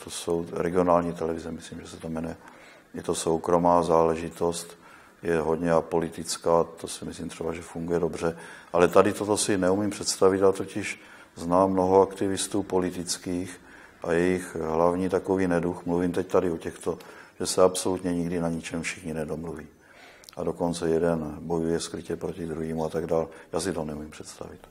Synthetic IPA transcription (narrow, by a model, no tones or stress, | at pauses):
t̪oso̞wɾɛɡɪo̞naːlɲiːt̪ɛlɛvɪzɛmɪsliːmʒɛsɛt̪amjɛnɛ | jɛt̪o̞sowkɾo̞maːzaːlɛʒɪt̪o̞st̪ | jɛɦo̞d̪ɲɛapo̞lɪt̪ɪt͡skaːt̪osɪmɪsliːmt̪r̥ɛbaʒɛfuŋɡujɛdo̞br̝ɛʔalɛt̪adɪt̪ot̪o̞sɪnɛumiːmpr̥ɛt̪st̪avɪt̪at̪ocɪʃ | znaːmːno̞ɦo̞akt̪ɪvɪst̪uːpo̞lɪt̪ɪt͡skiːx | ʔa̰jɛjɪxɦlavɲiːt̪ako̞viːnɛduxmluvimt̪ɛct̪adɪocɛxt̪o̞ʒ̥ɛsɛapso̞lut̪ɲɛɲɪɡdɪnaɲit͡ʃɛmfʃɪxɲinɛdomluviː | ʔado̞ko̞nt͡sɛjɛdɛnbo̞jujɛskɾɪcɛpɾocid̪ɾuɦiːmuat̪aɡdaːljaːsɪt̪onɛumimpr̥ɛ̥t̪st̪a̰vɪt̪